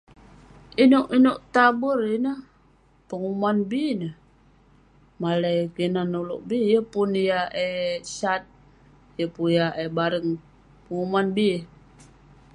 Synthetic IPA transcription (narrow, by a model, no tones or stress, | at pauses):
inuʔinoʔt̪abərinə | pəŋumanbinə | maləjkinanulṵʔbijəpunjaʔesat̪̚ | jəpujaʔebaɾəŋ | pəŋumanbi